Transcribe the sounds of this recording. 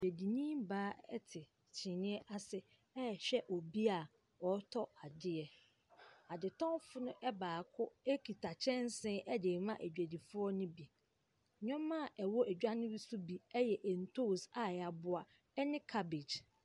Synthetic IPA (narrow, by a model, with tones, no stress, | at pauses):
e˨æ˨di˨nĩ˦mbaː˦ɛ̰˦tʰɪ˨ | t͡ɕʰɪ̃˨nɪ̃˦ɛ˦ʔa˦sɪ˦ | ɛ˦˨ɕᶣɛ˦ʔɔ˨bi˦a˨ | ɔ˨˦tʰɔ˦a˨dɪ˦ɛ˨ | a˨dɪ˨tʰɔ̃˦fʊ˦nʊ̃˦ʔɛ˦baː˨kʰʊ˦e˦kʰi˨tʰa˨t͡ɕʰɛ̃˦n˦sɪ̃˦ʔɛ˦de˨mã˦ʔæ˨d͡ʑᶣæ˨di˨fʊ˦ɔ˦nʊ̃˦bi˨ | ɲᶣɔ̃˦mːã˦˨ʔɛ˨wɔ˦ʔæ˨d͡ʑᶣa˦nɪ̃˦ɾi˦su˦bi˨ɛ˦jɛ˨ʔɛ˨n̩˨tʰo˦˨sa˨a˨bʊ˦a˨ | ɛ˦nɪ̃˦kʰa˦be˨d͡ʑ